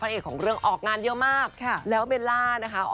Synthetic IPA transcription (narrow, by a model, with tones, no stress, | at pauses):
a˧ʔeː˨˩k̚ʰːɔː˩˦ŋɾɯ˥˩əŋʔɔː˨˩k̚ŋaː˧njɤ˦˥maː˥˩k̚kʰa˧˥˩lɛː˦˥wme˧nlaː˥˩na˦˥kʰa˦˥ʔ